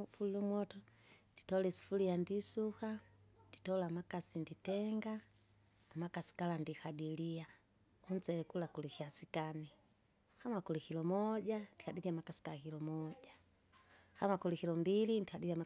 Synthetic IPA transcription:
fulumwɔtɔ | nd̥i̥tɔlɛsi̥fulijandisukandi̥tɔlamakasinditɛŋɡaː | makasi̥kalandikadilia | un̩t͡sɛɛkulakulixiasikani | hamakulikilɔmɔɟandikadiliamakasi̥kalakilɔmɔɟa | hamakulikilɔmbilindikadiliama

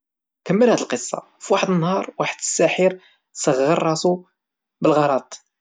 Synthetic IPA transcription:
kəmːəlhæd̪əlqəsˤːɑ̰ | fwaħəd̪ənːhɑɾˤwaħəd̪əsːæħiɾ | səɣːəɾˤːɑsu | bəlɣɑɾˤɑt̪ˤ

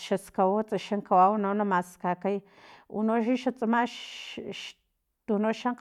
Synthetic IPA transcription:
ʃaskawot͡sʼaʃaŋkawawnonomaskakaj | unoʃ̬iʃat͡sʼamaʃʃ | t̪unoʃaŋq

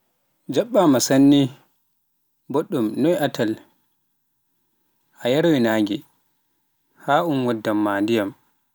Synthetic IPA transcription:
d͡ʒaɓːamasanːi | boɗːumnɔjʔatʰal | ʔajaɾwinaːŋɡɛ | haːʔumwadːamːaːndijam

